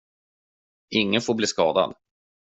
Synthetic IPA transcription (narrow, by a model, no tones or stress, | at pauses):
ɪŋːənfoːbliːskɑːd̪a̰d̪